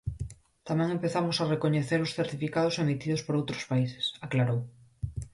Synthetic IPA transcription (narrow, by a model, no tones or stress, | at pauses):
t̪amɛ̃ŋempeθamosarekoɲeθeɾʊsθeɾt̪ifikað̞ʊsemit̪iðospoɾowt̪ɾospaise̥saklaɾow